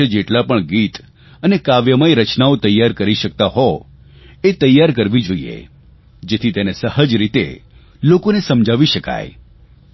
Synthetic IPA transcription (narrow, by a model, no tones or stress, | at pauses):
ed͡ʒeʈlapəɳɡit̪ | ənekaʋjəmajɾət͡ʃnaot̪əjːaɾkəɾiʃək̚t̪aɦɔ | et̪əjːaɾk̬əɾʋid͡ʒoḭḛ | d͡ʒet̪ʰit̪enesəhəd͡ʒɾit̪ḛ | lokonesəmd͡ʒʱaʋiʃəka̰j